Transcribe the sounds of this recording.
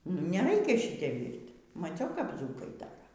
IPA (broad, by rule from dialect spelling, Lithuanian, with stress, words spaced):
nʊ iː nʲɛˈrɐɪkʲɛ ˈʃʲiːtʲɛ ˈʋʲiːrʲtʲ mɐˈt͡sʲɛʊ kɐp ˈd͡zuːkɐɪ ˈdɑːrɐ